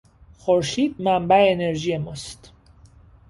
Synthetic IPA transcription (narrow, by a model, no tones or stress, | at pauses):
xoɾʃiːd̪̚mæmbæeːne̞ɾʒiːje̞mɒːst̪